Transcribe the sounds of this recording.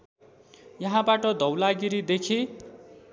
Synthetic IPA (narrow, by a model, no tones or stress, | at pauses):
jʌɦãbaʈʌd̪ʱʌwlaɡiɾid̪ekʰe